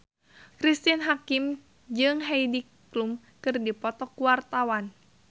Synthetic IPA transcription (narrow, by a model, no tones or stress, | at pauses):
kɾist̪inɦakim | d͡ʒɨŋɦeidi | lum | kɨrdipɔt̪ɔkuwart̪awan